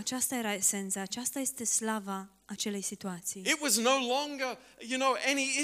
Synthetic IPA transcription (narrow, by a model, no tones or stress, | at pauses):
at͡ʃast̪aje̞ɾaese̞nt̪saːt͡ʃast̪aje̞st̪e̞slavaː | t͡ʃe̞le̞jsit̪uat̪sijɪt̚wʌznoʊlɔ̃ŋɡə˞ | jɨnoʊʔɛniɪ